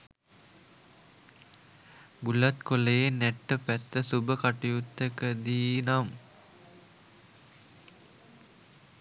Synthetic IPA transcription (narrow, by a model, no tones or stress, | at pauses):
ɡulːat̪kolejenæʈːəpæt̪ːəsubəkaʈijut̪ːəkəd̪iːnam